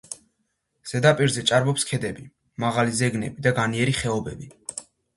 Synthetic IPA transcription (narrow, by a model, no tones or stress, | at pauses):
z̥ɛd̪apʼiɾzɛt͡ʃʼaɾbɔpskʰɛd̪ɛbi | maʁalizɛɡnɛ̰bid̪aɡaniɛɾiχɛɔbɛbi